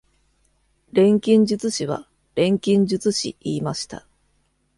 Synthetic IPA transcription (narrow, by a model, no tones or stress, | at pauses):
ɾẽ̞ŋkʲĩɲ̟d͡ʑɨt͡sɨɕiβa̰ | ɾẽ̞ŋkʲĩɲ̟d͡ʑɨt͡sɨɕḭiːmaɕi̥t̪a̰